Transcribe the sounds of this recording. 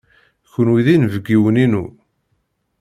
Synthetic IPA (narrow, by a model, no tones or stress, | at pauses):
çənwiðinvəɡːiwəninu